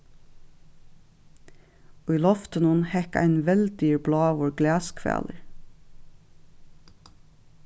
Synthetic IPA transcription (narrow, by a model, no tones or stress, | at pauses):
oːiːlɔft̪ənʊnhɛkæ̰ɪnʋɛl̚d̪yːɹblɑːʋoːɹɡlæːskʰʋæ̰ːləɹ